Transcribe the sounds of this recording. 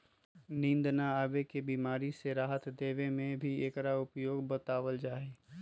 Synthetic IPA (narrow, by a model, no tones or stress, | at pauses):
nĩːnd̪naaːʋekebiːmaːɾiseɾaːɦət̪d̪eːʋemẽbʱieːkɾaʊpjoːɡbət̪aːʋəld͡ʒaːe